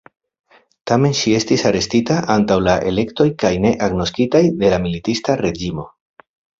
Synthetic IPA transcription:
tame̞nʃie̞stisaɾe̞stitaʔantawlaʔe̞̰le̞kto̞jkajne̞ʔaɡno̞skitajde̞lamilitistaɾe̞d͡ʒimo̞

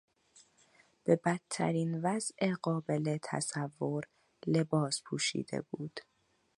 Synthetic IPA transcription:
b̥e̞bæt̪ʰːæ̰ɾiːnvæzʔeɢɒːbe̞let̪ʰæ̰sævːo̞ɾ | le̞bɒːspʰuːʃḭːd̪e̞̰buːd̪̥

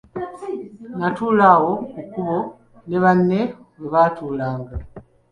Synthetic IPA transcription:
natuːlawo̞kukuβo̞ | neβanːe̞weβaːtuːlaːŋɡa

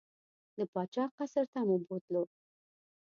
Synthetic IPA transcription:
d̪əpɑt͡ʃɑqasəɾt̪amubot̪lo

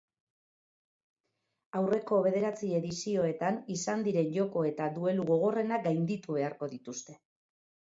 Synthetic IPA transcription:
awre̞ko̞βe̞ð̞e̞ɾat͡sie̞ðisio̞e̞t̪anisand̪iɾe̞nʝo̞ko̞e̞t̪ad̪ue̞luɣo̞ɣ̞o̞re̞nakɡajnd̪it̪uβe̞aɾko̞ðit̪ust̪e̞

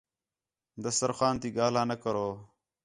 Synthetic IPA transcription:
d̪əsəɾxaːnt̪iːɡaːlãːnəkəɾoː

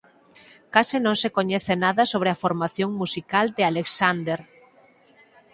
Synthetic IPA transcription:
kasɪnõŋsekoɲɛθenaðɐsoβɾeafoɾmaθjoŋmusikald̪ɪaleksand̪eɾ

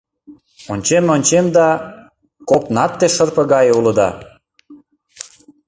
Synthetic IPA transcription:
onʲt͡ɕemonʲt͡ɕemd̪ɑ | kopnɑt̪ːeʃərpə̆ɣɑjulə̆d̪ɑ̰

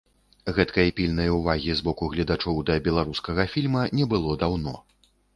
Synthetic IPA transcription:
ɣɛt̪kɐjɐpʲilʲnɐjuvaɣʲizbɔkuɣlʲɐd̪at͡ʂɔwd̪ɐbʲɛlˠaɾuskɐɣɐfʲilʲmɐnʲɛbɨlˠɔd̪awnɔ̰

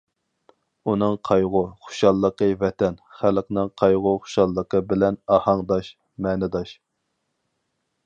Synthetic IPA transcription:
unɨŋqʰɑjʁʊχʊ̥ʃɑlˠːəqəvɛt̪ʰɛnχælqnɨŋqʰɑjʁʊχʊ̥ʃɑlˠːəqəbɪlɛnɑhɑŋd̪ɑʃ | mɛːnɪd̪ɑʃ

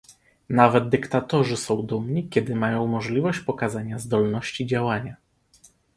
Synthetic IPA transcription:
navɛd̪̚d̪ɘkt̪at̪ɔʐɘsɔ̃w̃d̪umɲikʲɛd̪ɘmajɔ̃w̃mɔʐlʲivɔɕt͡ɕpɔkazaɲazd̪ɔlnɔɕt͡ɕid͡ʑawaɲa

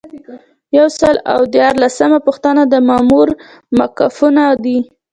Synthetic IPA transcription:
jawsəla̰wd̪jɑɾlasəmapʊxt̪anad̪əmɑmuɾ | makafunad̪i

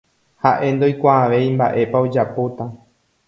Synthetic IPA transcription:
haʔe̞nd̪o̞jkʷaːʋe̞ĩmba̰ʔe̞paod͡ʒapot̪a

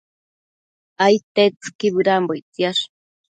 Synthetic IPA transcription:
ajt̪et͡skibɨɾambojt͡sjaʃ

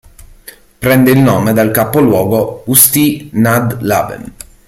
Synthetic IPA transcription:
pɾɛnd̪eilnoːmed̪alkapolwɔːɡoust̪inad̪la̰vɛ̰n

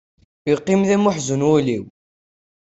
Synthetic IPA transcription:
iqːimðæmʊħzənwuliw

